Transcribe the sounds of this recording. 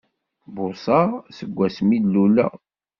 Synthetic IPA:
bʊsˤɑsəɡʷːæsmid̪lulːæ̰

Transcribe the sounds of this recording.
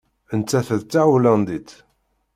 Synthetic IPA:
ənt͡sːæθəðt͡sːawlænd̪it͡s

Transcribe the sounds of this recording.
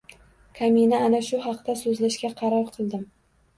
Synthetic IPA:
kʰaminaːnaʃʊɦɑqt̪asɵzlaʃɡʲaqʰɑɾɒɾˠqʰɨlˠd̪ɪm

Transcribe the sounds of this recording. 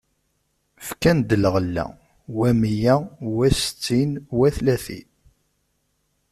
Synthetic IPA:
fkænd̪ələʁəlːæ̰ | wæmijæwæst͡sːinwæθlæθḭ

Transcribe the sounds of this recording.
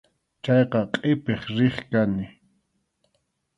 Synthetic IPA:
t͡ʃɑjqɑqʼepeχɾɪχkanɪ

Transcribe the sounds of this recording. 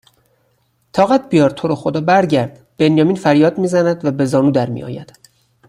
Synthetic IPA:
t̪ʰɒːɣæt̪̚bijɒːɾt̪ʰoɾoxod̪ɒːbæɾɟæɾd̪̥ | b̥e̞njɒːmiːnfæɾjɒːd̪miːzænæd̪væbe̞zɒːnuːd̪æɾmḭʔɒ̰ːjæ̰d̪̥

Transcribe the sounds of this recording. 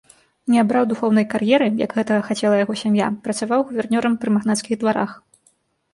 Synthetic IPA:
nʲɛabɾawd̪uxɔwnɐjkarjɛɾɨja̰ɡɣɛt̪ɐɣɐxat͡sʲɛlˠɐjaɣɔsʲamja̰pɾɐt̪savawɣuvʲɛrnʲɔɾɐmpɾɨmaɣnat̪skʲiɣd̪vaɾa̰x

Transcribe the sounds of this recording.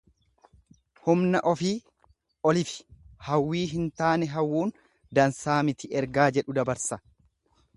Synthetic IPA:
hʊmnɐʔɔfiː | ʔɔlɪfɪ̥hɐwːiːɦɪnt̪aːnɛɦɐwːuːn | d̪ɐnsaːmɪt̪ɪʔɛɾɡaːd͡ʒɛᶑʊd̪ɐbɐɾsɐ

